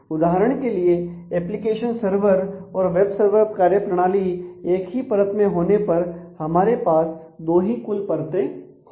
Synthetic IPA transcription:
ʊd̪aːɦəɾəɽ̃kelieɛːplɪkeːʃənsəɾʋəɾɔːɾʋeːbsəɾʋəɾkaːɾjəpɾəɽ̃aːlieːkɦipəɾət̪mẽɦoːnepɐɾhɐmaːɾepaːs | d̪oːɦikʊlpɐɾt̪ẽ

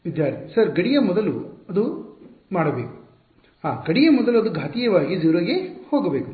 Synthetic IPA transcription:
ʋid̪jaːɾt̪isɐɾɡɐɽijɐmɔd̪ɐluɐd̪umaːɽɐbeːku̥ | haːɡɐɽijɐmɔd̪ɐluɐd̪uɡʱaːt̪ijɐʋaːɡid͡ʒuːɾɐɡehoːɡɐbeːku

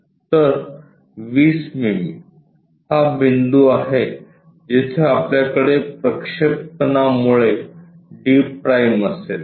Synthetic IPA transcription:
t̪əɾ | ʋiːsmimi | habind̪uaɦe | d͡ʑet͡ɕʰeapljakəɽepɾəkʂek̚t̪ənamuɭe | ɖiːpːɾajməsel

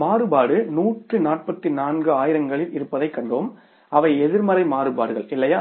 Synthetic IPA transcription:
maːrɯbaːɽɯnuːʈrɯnaːʈ̚pɐt̪ːinaːnɡɯaːjɪɾɐŋɡɐɭɪlɪɾɯpːɐðɐɪkːɐɳɖoːm | ɐʋɐɪɛðɪɾmɐɾɐɪmaːɾɯbaːɾɯɣɐɭɪlːɐjaː

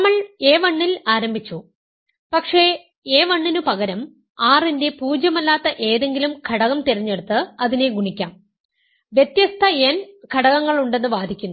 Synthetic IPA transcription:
ɐmːɐɭeːʋɐɳːilaːɾɐmbʱit͡ɕːu | pɐkʂe̞ | eːʋɐɳːinupɐɣɐɾɐm | aːrinde̞puːd͡ʑjɐmɐlːaːt̪ːɐʔe̞ːðe̞ŋɡilumkʰɐɽɐɣɐmt̪eɾiɲːe̞ɽut̪ːɨɐðine̞ɡuɳikʲːaːm | ʋjet̪jɐst̪ʰɐenkʰɐɽɐɣɐŋːɐɭuɳɖe̞nːɨʋaːd̪ʱikʲːunː

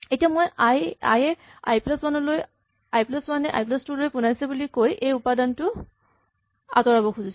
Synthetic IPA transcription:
etiamojaja̰jɛa̰jplɔswanɔloj | ajplɔswanɛʔa̰jplɔstulojpunajsɛbulikojʔejupadantʊ | a̰tɔɹabɔkʰuzis

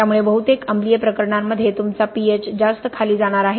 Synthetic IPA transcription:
jamuɭebəɦut̪ekəmblijəpɾəkəɾɳamːəd̪ʱːjet̪umt͡sapiet͡sd͡zast̪əkʰaliːd͡zaɽ̃aɾaɦe

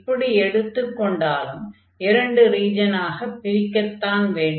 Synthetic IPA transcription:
pːɐɽiɛɽɯt̪ːɯkːɔɳɖaːlɯm | ɪɾɐɳɖɯɾiːd͡ʒɐnaːɣɐpːɪɾɪkːɐt̪ːaːnʋeːɳɖ

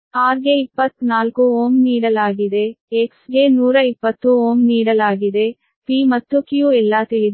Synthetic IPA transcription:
aːɾɡeipːɐt̪ːnaːlkuoːmniːɽɐlaːɡid̪eeksɡenuːɾɐipːɐt̪ːuoːmniːɽɐlaːɡid̪e̞ | pimɐt̪ːukjuɛlːaːt̪eid̪

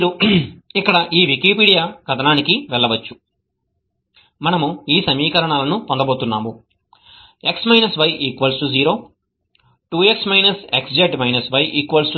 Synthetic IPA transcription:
ɾuikːɐɽɐʔiːʋikiːpiːɽijaːɡɐt̪ɐnaːnikiʋɛɭːɐʋɐt͡ʃːu̥ | mɐnɐmuiːsɐmiːkɐɾɐɳaːlɐnut̪ond̪ɐboːt̪unːaːmu | eksmɐjnɐsʋɐjiːkʋɐlsʈud͡ʒiːɾo̞ː | ʈuːe̞ksmɐjnɐseksd͡ʒeɖmɐjnɐsʋɐjʔiːkʋɐlsu

